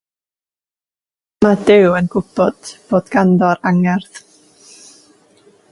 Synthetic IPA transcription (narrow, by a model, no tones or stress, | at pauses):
madɪwənɡʊb̥ɔd̥b̥oːd̥ɡ̥andɔɾaŋɛrθ